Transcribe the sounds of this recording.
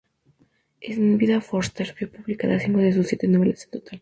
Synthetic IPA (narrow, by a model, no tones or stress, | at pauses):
esnbiðafoɾst̪eɾfjopuβlikaðasiŋkoðes̬usːjet̪enoβelasent̪ot̪ʰal